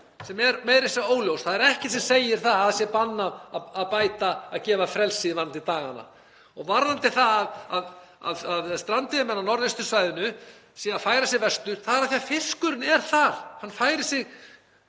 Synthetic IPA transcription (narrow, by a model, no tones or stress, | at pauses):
sɛmɛɾmeːjɾɪsaoːwljowsθaðɛɾɛhcɪsɛmseːjɪɾ̥θaðaðsjɛpanːaːðpaːjt̪aaðcɛːvafɾɛlsɪɪvaɾnant̪it̪aːɣa̰nːa̰ | ɔɣvaɾnant̪ɪθaðaðað | a̰ðaðst̪ɾant̪ɪmɛnːanɔɾðɪst̪ʏ̥svaːjðɪnʏsjɛaðfaːjɾasjɛvɛst̪ʏɾ̥θaðɛɾaðθiafɪskʏɾɪnɛɾ̥θaɾ̥hanːfaːjɾɪ̥sɪɣ